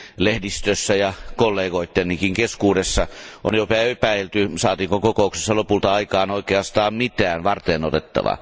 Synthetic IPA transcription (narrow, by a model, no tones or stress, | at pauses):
lehdist̪øsːæjɑkolːeːɡoˑit̪ːenniːkiŋkeskuːdesːɑʔo̰njopæepæelt̪ysɑːt̪iːŋkokokoˑukse̥sːɑlopult̪ɑɑikɑːnoˑikeɑst̪ɑːmmit̪æːnʋɑrt̪eːnot̪et̪ːɑ̰ʋɑ̰